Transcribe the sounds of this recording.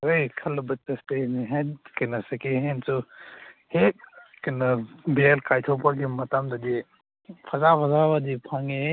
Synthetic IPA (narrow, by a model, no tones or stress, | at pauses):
ojkʰɐlbɐtɐsteniɦenkɐjnɐsɐkeɦensu | hekɐjnɐbeelkajtʰopaɡimɐtamdɐdi | pʰɐzapʰɐzabadipʰaŋe